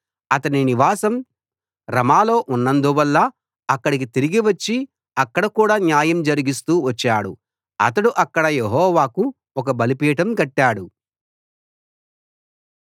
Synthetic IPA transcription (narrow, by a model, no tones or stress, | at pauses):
ɐt̪ɐniniʋaːsɐm | ɾɐmaːlo̞ːʔunːɐnd̪uʋɐlːɐː | kːɐɽik̬it̪iɾiɡiʋɐt͡ʃːi | ɐkːɐɽɐkuːɽaːnjaːjɐmd͡ʒɐɾiɡist̪uːʋɐt͡ʃːaːɽṵ | ɐ̰t̪ɐɽuʔɐkːɐɽɐjeɦɔːʋaːku | ɔk̬ɐbɐlipiːʈɐmkɐʈːaːɽu